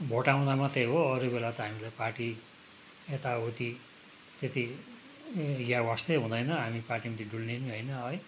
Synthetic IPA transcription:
bʱoʈaw̃d̪amat̪eɦoʌɾubelat̪ʌɦamilajparʈi | et̪aɦot̪i | t̪et̪i | ɡjawast̪eɦũd̪ʌjnʌɦamiparʈimʌt̪ʰiɖulneniɦʌjnʌɦʌj

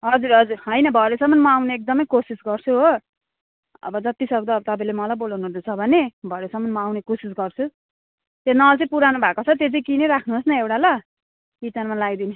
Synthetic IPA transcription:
ɦʌd͡zuɾɦʌd͡zuɾɦʌjnʌbʱʌɾesʌmːʌnmʌawneek̚d̪ʌmʌjkosisɡʌrt͡sʰuɦo | ʌ̰bʌd͡zʌt̪isʌk̚d̪ʌːbʌt̪ʌpaĩlemʌlajbolawnoɦrd̪et͡sʰʌbʱʌnebʱʌɾesʌmːʌnmʌawnekosis̬ɡʌrt͡sʰu | t̪enːat͡sʌĩpuɾanubʱakot͡sʰʌt̪ed͡zʌkineɾakʰnuɦosnʌewʈalʌ | itanmalaɡd̪ini

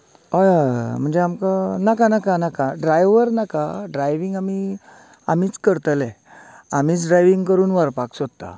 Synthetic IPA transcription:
ajam̤əɳd͡zeamkanakanakanakaɖɾajʋəɾnakaɖɾajʋiŋɡami | amiːt͡skəɾt̪əlɛ | amiːt͡sɖɾajʋĩŋɡkəɾuːnʋaɾpaksod̪̚t̪a̰

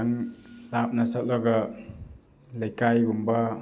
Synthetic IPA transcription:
aŋlap̚nasat̚lɔɡa | lajkajɡumba

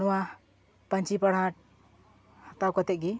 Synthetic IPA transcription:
ɽuwa | pənt͡ʃipəɽ̤aʈ̚ | ht̪awkɔt̪eɡi

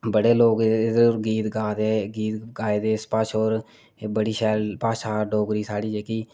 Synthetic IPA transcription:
bəɽeːloːkːɪd̪əɾɡiːt̪ɡaːd̪eːɡiːt̪ɡaːed̪eːspaːʃoːɾ | bəɽiːʃɛːlpaːʃaːɖoːɡɾiːsaːɽiːd͡ʒeːkiː

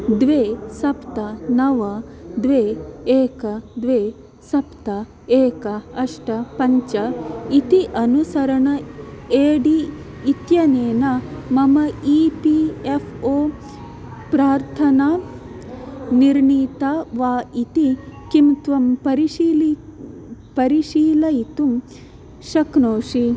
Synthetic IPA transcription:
d̪ʋeːsɐpt̪ɐnɐʋɐd̪ʋeːeːkɐd̪ʋeː | sɐpt̪ɐ | eːkɐɐʂʈɐpɐɲt͡ʃɐit̪iʔɐnusɐɾɐɳɐeːɖi | it̪jɐneːnɐmɐmɐiːpiefʰoː | pɾaːɾt̪ʰɐna | niɾɳiːt̪aʋaːit̪ikimt̪ʋɐmpɐɾiʃiːl | pɐɾiʃiːlɐjit̪um | ʃɐknoːʂi

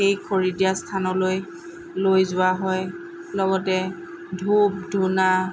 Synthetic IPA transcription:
ejkʰoɹidijastʰanɔloj | lojzʊwaɦɔj | lɔɡɔtɛ | dʱup̚dʱuna

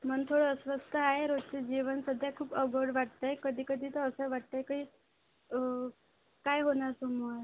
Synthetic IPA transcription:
mənt̪ʰoɽəəsʋəst̪əaɦeɾod̪̚t͡ɕed͡ʑiʋənsəd̪ʱjakʰuːpəɡʱəɽʋaɽt̪ajkəd̪ʱiːkəd̪ʱiːt̪əəsəʋaʈ̚t̪ajkəiː | kajɦonaɾt̪umaɾ

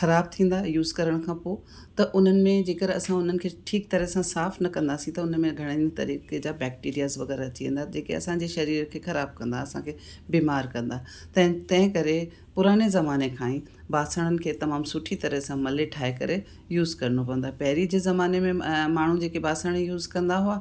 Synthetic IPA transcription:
xɐɾaːb̚t̪ʰĩːn̆d̪aːjuːzkɐɾəɽ̃kʰãːpoː | t̪ɐʔʊn̤ənɪ̆mẽd͡ʑeːkəɾɐsãʊn̤ənɪ̆kʰeːʈʰiːk̚t̪ɐɾəɦsãsaːfnɐkɐ̃nd̪aːsĩt̪ɐʊnəmẽɡʱɐɽ̃et̪ɐ̰ɾiːked͡ʑaːbɛːk̚ʈiːɾijazʋɐɣɛːɾaɐt͡ɕiʋḛ̃ːnd̪ad͡ʑeːkḛɐ̰sãɲd͡ʑeʃɐɾiːɾəkʰeːxɐɾaːb̚kɐ̃nd̪aɐsã̰kʰeː | biːmaːɾkɐ̃nd̪aː | t̪ɐ̃t̪ɐ̃ɦɪ̃kɐɾe | pʊɾaːɽ̃ezɐmaːnekʰãːĩ | baːsəɽ̃ənɪ̆kʰeːt̪ɐmaːmsʊʈʰit̪ɐɾəɦsãmɐleʈʰaːekɐ̰ɾe | juːzkɐɾnopɐ̃ənd̪apɐɦɪɾid͡ʑeːzɐmaːnemẽmaːɳ̤ũd͡ʑeːkebaːsəɽ̃ejuːzkɐ̃nd̪aɦʊaː

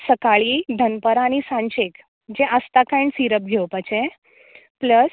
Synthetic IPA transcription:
səkaɭid̪ʱənpəɾaːñisãɲt͡ɕek | d͡ʑeʔəst̪akajɳsiɾəp̚ɡʱewpət͡ɕe | pləs

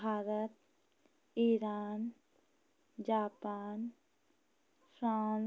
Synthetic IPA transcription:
bʱaːɾət̪̚ | iɾaːn | d͡ʒaːpaːn | pʰɾaːn

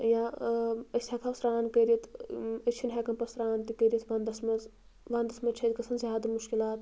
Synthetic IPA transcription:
ja | əsʲekʰɐsɾaːnkəɾit̪ɐt͡ʃʰinɦekɐmpɐsɾaːnt̪ikəɾit̪ʋɐnd̪ɐsmɐz | ʋɐnd̪ɐsmɐt͡ʃʰɐt̪ʲkɐsʰɐnzʲjaːd̪ɐmuʃkilaːt̪

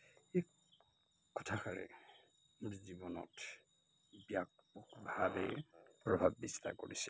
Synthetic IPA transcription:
e | kɔ̥tʰakaɹɛ̰ | zibɔnɔ̰t | bijak̚ɔkbʱabɛ̰pɹɔbʱabːista̰koɹisɛ

